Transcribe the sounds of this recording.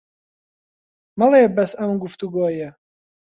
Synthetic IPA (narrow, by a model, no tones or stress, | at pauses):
mɐlˠebɐsɐmɡuft̪uɡoːjɛ